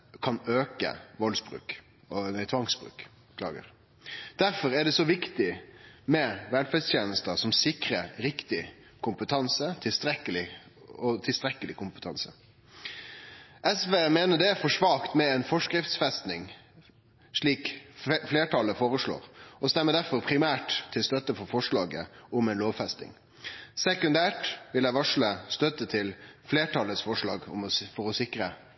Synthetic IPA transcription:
kʰɑnøːkə̰ʋɔlsbʁʉ̰ːk | ɔt̪ʰʋɑŋsbʁʉ̰ːk | kʰlɑ̰ːɡə̰ɾ | d̪̥æɾfɔɾæɖɛsɔʋɪkt̪ɪmɛʋɛlfɛst̪ʰjeːnəst̪əsɔmsɪkɾəɾɾɪkt̪ɪ | kʰʊmpət̪ʰɑnsət̪ʰɪlst̪ɾɛkːəlɪ | ɔt̪ʰɪlst̪ɾɛkəlɪkʊmpət̪ʰɑnsə | ʔɛsʋeːmeːnəɖɛfɔʂʋɑːkt̪mɛɛnfɔʂkɾɪft̪sfɛst̪nɪŋ | ʂɭiːkfleːʈʰɑləfoːʁəʂɭo̰ːʁɔst̪ɛmːəd̪æɾfɔʁpʰʁɪmæːʈt̪ʰːɪlst̪œt̪əfɔɾfɔʂlɑːɡə̰ʊmɛnloːʋfɛst̪nɪ̰ŋ | sɛkʉnd̪æːʈʋɪlæɪʋɑʂɭəst̪œt̪ət̪ʰɪlfleːʈʰɑləsfɔʂɭɑːɡɔ̰mɔfɔʁɔsɪkɾə

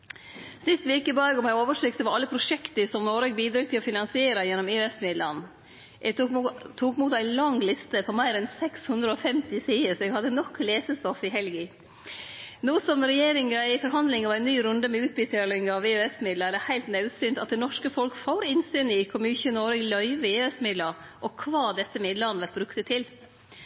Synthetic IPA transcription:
sɪst̪ʋeːkəbɑːɡɔmæɪoːʋəʂʏkt̪əʋɑɑlːəpʰɾʊʂɛkt̪əsɔmnoːɾeːɡ̚biːd̪ɾʊːt̪ʰɪlɔfɪnɑnsɪeːɾɑjɛnːɔmeːøɛsmɪd̪lɑn | ʔɛt̪ʰuːkmuːt̪æɪlɑŋlɪst̪əpɔmæɪɾɛnsɛkshʉnd̪ɾəoːfɛmt̪ɪsiːəsɔɛɡhɑd̪ːənɔkʰːleːsəst̪ɔfɪɦɛlɡɪ | nuːsɔmɾɛjeːɾɪŋɑɪfɔɾɦɑnd̪lɪŋɑʋæɪnːyːɾʉnd̪əmɛʉːt̪̚bɪt̪ʰɑːlɪŋɑʋeːøɛsmɪd̪ləæd̪ɛhæɪlt̪nɑʉsyːnt̪ɑt̪̚d̪ɛnɔʂkəfɔlkfoːɾɪnsyːnɪkʰɔmʉːçʉːʉnoːɾɛɡlœʏʋəeɛsmɪd̪ləɾ | ʔɔkʰʋɑːd̪ɛsːəmɪd̪lɑnəʋɛlt̪bɾʉkt̪ət̪ʰɪl

